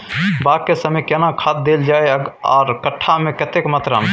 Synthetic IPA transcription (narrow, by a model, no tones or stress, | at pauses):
bakkːesəməjkenakʰat̪̚d̪eld͡ʒaːeɔ̰ːɾkəʈʰːamẽkət̪ekmət̪ɾa̰n